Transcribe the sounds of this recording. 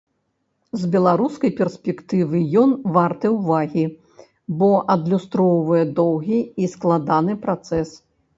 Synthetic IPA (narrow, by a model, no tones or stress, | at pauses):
zbʲɛlˠaɾuskɐjpʲɛrsʲpʲɛkt̪ɨvɨjɔnvart̪ɨjɛwvaɣʲi | bɔʔɐd̪lʲust̪ɾɔwvɐjɛd̪ɔwɣʲiːsklˠad̪anɨpɾat̪sɛs